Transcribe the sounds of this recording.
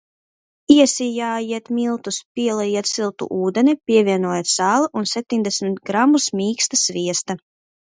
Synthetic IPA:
iɛsijaːjiɛt̪milˠt̪uspʲiɛlˠajiɛt̪silˠt̪ṵʔuːd̪ɛnʲɛpʲiɛviɛnuɔjɛt̪saːlˠaʔunsɛp̚t̪iɲʲd̪ɛsmʲit̪ɡɾamusmʲiːkst̪asvʲiɛst̪a

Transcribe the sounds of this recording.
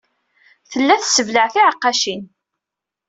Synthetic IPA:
θəlːæθsəvləʕθiʕəqːɑʃin

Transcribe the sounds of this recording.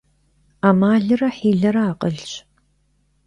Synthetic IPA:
aːmaːɮɨrɐħiːɮɐɾɐaːqʼəɮɕ

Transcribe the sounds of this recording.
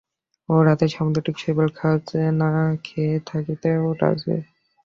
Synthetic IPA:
oɾat̪eʃamd̪oʈikt͡ʃʰebelkʰat͡ɕenakʰet̪ʰakit̪eoʈa̰d͡ʑḛ

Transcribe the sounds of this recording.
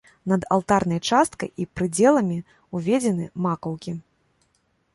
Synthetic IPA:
nɐd̪a̰lˠt̪arnɐjt͡ʂast̪̚kɐ̰jʔipɾɨd͡zʲɛlˠɐmʲi | uvʲɛd͡zʲɛnɨmakɐwkʲi

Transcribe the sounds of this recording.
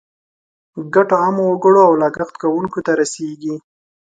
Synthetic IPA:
ɡaʈoɑmowoɡəɽoawlɑɡaxt̪kawuŋkot̪aɾaseɡi

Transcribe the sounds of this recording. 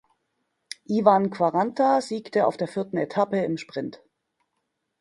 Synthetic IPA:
ʔivankv̥aʁantʰaziːktəa̰ʊfd̥eːɐfɪɐtn̩etʰapəɪmʃpʁ̥ɪnt

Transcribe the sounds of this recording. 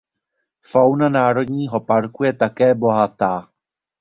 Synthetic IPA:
fawnanaːɾo̞dɲiːɦo̞paɾkujɛt̪akɛːbo̞ɦat̪aː

